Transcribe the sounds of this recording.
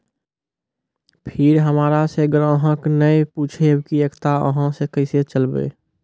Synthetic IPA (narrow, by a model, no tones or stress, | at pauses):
pʰɪɾɦəmaːɾaseəɡəɾ̃əɦə̃knəeput͡ʃʰebkiekt̪aə̰ɦãsekəɪset͡ʃəlbḛ